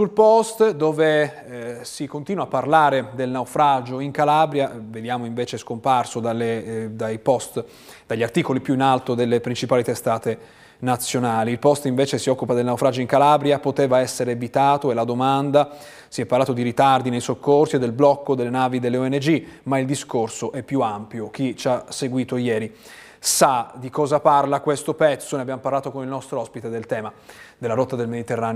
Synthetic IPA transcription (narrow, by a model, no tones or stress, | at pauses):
sulpɔst̪d̪oːve | sikont̪iːnwapːarlaːɾed̪elnawfɾad͡ʒoiŋkalabɾjaved̪jaːmoiɱveːt͡ʃeskomparsod̪alːed̪ajpɔst̪ | d̪aʎːart̪iːkolipjuinalt̪od̪elːepɾint͡ʃipaːlit̪est̪aːt̪e | nat̪sːjonaːliilpɔst̪iɱveːt͡ʃesiɔkːupad̪elnawfɾad͡ʒoiŋkalaːbɾjapot̪eːvaɛsːeɾevit̪aːt̪oelad̪omand̪a | siɛpːaɾrlaːt̪od̪iɾit̪ard̪inejsokːorsied̪ːelblɔkːod̪elːenaːvid̪elːeoɛnːed͡ʒimaild̪iskorsoʔɛpːjuampjok̟it͡ʃaseɡwiːt̪ojɛːɾi | sad̪ikɔːzaparlakwest̪opɛt̪sːoneabjamoparlaːt̪okonilnɔst̪ɾoɔspit̪ed̪elt̪ɛːmad̪elːaɾɔt̪ːad̪elmed̪it̪erːaːn